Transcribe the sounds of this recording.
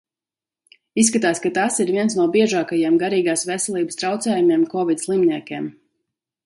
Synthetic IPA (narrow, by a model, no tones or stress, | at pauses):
isːkat̪aːskat̪asiɾviɛnsnuɔbiɛʒaːkajeɛmɡaɾiːɡaːsvɛsɛlˠiːbəst̪ɾawt̪sɛːjumʲeɛmkɔvid̪ʲslˠimniɛkʲeɛm